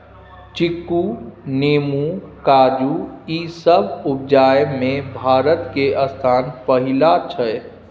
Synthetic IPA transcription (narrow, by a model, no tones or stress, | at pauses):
t͡ʃikːuneːmukaːd͡ʒuisəbup̚d͡ʒaːjmẽbʱaːɾət̪keʔəst̪ʰaːnpəɦilat͡ʃʰə